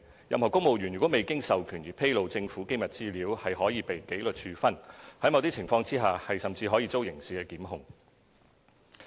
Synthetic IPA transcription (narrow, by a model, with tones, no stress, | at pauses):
jɐ˨mhɔː˨˩kʊ˥ŋmo˨wjyː˨˩nɥyː˨˩wɔ˨˥me˨jkɪ˥ŋsɐ˨wkʰyː˨˩njiː˨pʰe˥jlo˨wt͡sɪ˧ŋfuː˨˥ke˥jmɐ˨˩t̚t͡siː˥liː˨˥whɐ˨jɦɔː˨˥jiː˧pe˨jke˨˥jlɵ˨t̚t͡ʃʰyː˨˧fɐ˥nhɐ˨˥mɐ˨˧wt̪iː˥t͡sʰɪ˨˩ŋfɔː˧ŋt͡siː˥ɦaː˨hɐ˨jsɐ˨mt͡siː˧ɦɔː˨˥jiː˧t͡so˥wjɪ˨˩ŋsiː˨˩kɛː˧kiː˨˥mɦʊ˧ŋ